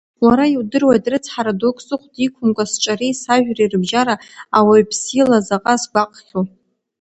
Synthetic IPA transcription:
waɾaiwdɨrwajtʼrɨt͡sʰħaɾadokʷʰʼsɨχʷdikʷʰʊmkʷʼasʈ͡ʂʼarisaʒᶣrairɨbʒaɾaawaɥpʰsilazaqʼasɡʷaqʼχʲo

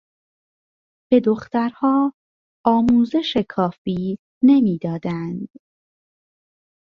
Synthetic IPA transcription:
b̥e̞d̪o̞xt̪æɾhɒː | ɒːmuːze̞ʃekʰɒːfiː | ne̞miːd̪ɒːd̪ænd̪

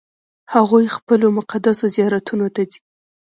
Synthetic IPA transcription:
haɣujxpəlomʊqad̪asozijɑɾat̪unot̪azi̥

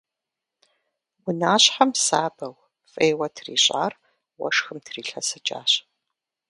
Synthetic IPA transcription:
wʊnaːɕħamsaːbɐw | fʼeːwɐtʰrḭːɕʼa̰ːr | wɐ̰ʂxɨmtʰriːɬɐsɨt͡ʃʼa̰ːɕ

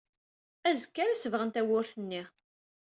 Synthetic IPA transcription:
æzəkːæɾæsəvʁənt̪æwʊɾθənːi

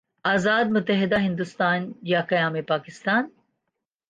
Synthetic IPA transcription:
azaːd̪mʊt̪ɐɦɪd̪aɦɪnd̪ust̪aːnjaːkɐjaːmipaːkɪst̪aːn

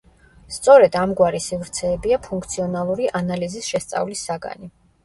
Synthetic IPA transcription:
st̪sʼɔɾɛd̪amɡwaɾisivɾt̪sʰɛːbiapʰuŋk̚ʰt̪sʰiɔnalˠuɾiʔanalizisʃɛst̪sʼa̰vlisːaɡa̰ni

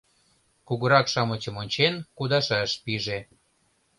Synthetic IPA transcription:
kuɣəɾɑkʃɑmət͡ɕəmonʲt͡ɕenkud̪ɑʃɑʃpiʒe

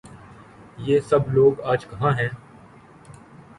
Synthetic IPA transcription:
jeːsɐbloːɡaːd͡ʒkɐɦãːɦɛ̃ː

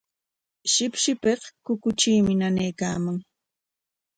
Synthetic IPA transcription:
ʃɪpʃɪpehkʊkʊt͡ʃiːmɪnanajkaːmaŋ

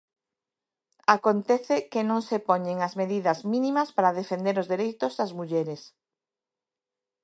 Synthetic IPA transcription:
akont̪ɛθɪkenõŋsepoɲeŋɐzmeðiðɐzmĩnĩmɐspaɾaðefend̪eɾozðeɾejt̪ʊzðɐzmuʎɛɾes

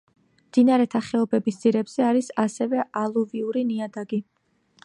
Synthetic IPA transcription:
md̪̥inaɾɛt̪ʰaχɛɔbɛbisd̪z̥iɾɛbz̥ɛaɾisasɛvɛʔalˠuviuɾiniad̪aɡi

